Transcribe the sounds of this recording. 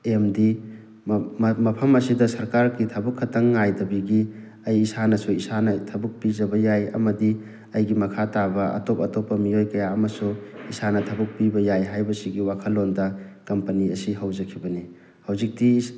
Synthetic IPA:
emdi | mɐpʰɐmɐsidɐsɐɾkaɾɡitʰɐbukʰːɐtʰɐŋːajdɐbiɡi | ɐjːsanɐsuisanɐtʰɐbuk̚pizɐbɐjajɐ̰mɐdi | ɐjɡimɐkʰatabɐɐ̰topɐtopːɐmiojkɐjaɐmɐsuisanɐtʰɐbɐk̚pibɐjajɦajbɐsiɡiwakʰɐlːondɐkɐmpɐniɐsiɦɐwzɐkʰibɐni | hɐwzik̚ti

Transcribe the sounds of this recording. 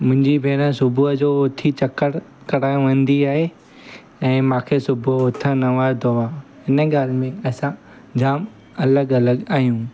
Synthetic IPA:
mʊ̃ɦɪ̃ɲd͡ʑibʱeːnə̃sʊbʱʊəd͡ʑoːʊt̪ʰit͡ɕɐkəɽ | kɐɽaːjũʋɐ̃n̆d̪iaːɦe | ɛ̃ːmãːkʰesʊbʱʊt̪ʰə̃nɐʋad̪oaɦɪnə̆ɠaːlmẽɐsã | d͡ʑaːm | ɐləɡɐləɡaːɦijũː

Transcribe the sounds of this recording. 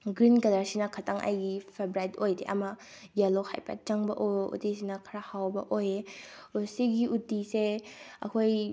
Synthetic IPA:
ɡɾinkɐlaɾsinɐkʰataŋʔa̰jɡipʰebɾajtojdeʔɐ̰mɐ | jalohʰa̰jpa̰t͡ʃaŋbɐ̰ʔoṵtisinɐkʰɐɾahawbɐ̰ʔojeusiɡiʔutiseɐ̰kʰoj

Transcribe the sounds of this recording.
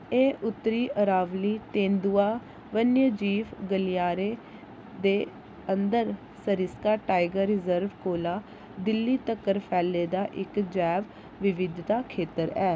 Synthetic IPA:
eːʔʊt̪ːɾiːʔəɾaːʋliːt̪ẽːnd̪uːaː | ʋənjəd͡ʒiːʋɡəlijaːɾeː | d̪eː | ənd̪əɾ | səɾɪskaːʈaːɪɡəɾːɪzəɾʋkoːlaː | d̪ɪlːiːt̪əkːəɾpʰɛːlːeːd̪aːʔɪkd͡ʒɛːʋ | ʋɪʋɪd̪ʱt̪aːkʰeːt̪əɾɛː

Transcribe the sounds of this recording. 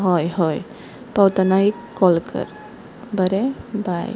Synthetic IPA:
ɦɔjɦɔj | pawt̪anai | kːɔlkə̰ɾ | bəɾebaj

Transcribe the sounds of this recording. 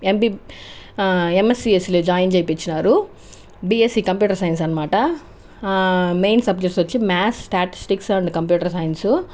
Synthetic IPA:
empi | emesiesiled͡ʒaːjind͡ʒɐjpit͡ʃːinaːɾu | biːesiːkɐmpjuːʈɐɾsɐjns̬ɐnːɐmaːʈɐ | mejnsɐb̚d͡ʒek̚ʈsʋot͡ʃːimaːssʈaːʈi̥sʈiksɐɳɖkɐmp̬juːʈɐɾsɐːjinsu

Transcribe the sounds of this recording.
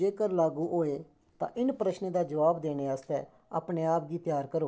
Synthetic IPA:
d͡ʒeːkəɾlaːɡuːʔoːeː | t̪ã̰ːʔɪnpɾəʃnẽːd̪aːd͡ʒəʋaːbd̪eːneːaːst̪ɛ̰ː | a̰ːpɳeːaːp̚ɡiːp̪jaːɾkəɾoː

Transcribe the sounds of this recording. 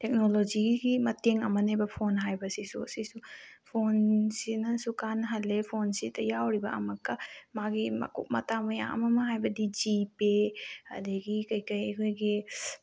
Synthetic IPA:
tek̚nolod͡ʒiɡiɡimɐteŋɐmɐnebɐpʰonɦajbɐsisṵsisupʰonsinɐsukanɦɐlːepʰonsitʰɐjawɾibɐɐmɐkːɐmaɡimɐ̰kṵk̚mɐtamɐja̰ŋʔɐ̰mɐmɐɦajbɐdid͡ʒipeɐ̰deɡikɐjkɐjɐkʰojɡi

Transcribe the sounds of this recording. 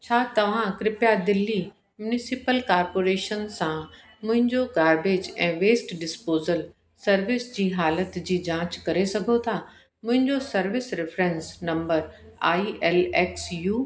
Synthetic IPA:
t͡ɕʰaːt̪ɐʋ̤ãkɾɪpjad̪ɪlːi | mjʊnɪsɪpəlkaːɾpoːɾeːʃənsã | mʊ̃ɦɪ̃ɲd͡ʑoɡaːɾɖeːd͡ʑɛ̃ːʋeːsʈɖɪspoːzəl | sɐɾʋɪsd͡ʑiːɦaːlət̪d͡ʑiːd͡ʑãːt͡ɕkɐɾesɐɡʱot̪ʰa | mʊ̃ɦɪ̃ɲd͡ʑosɐɾʋɪsɾɪfɾɛ̃nsnɐ̃mbəɾ | aːiʔɛːlɛːksjuː

